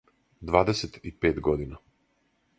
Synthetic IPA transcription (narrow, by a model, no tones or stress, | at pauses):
d̪vaːd̪eset̪ipeːt̪ɡod̪ina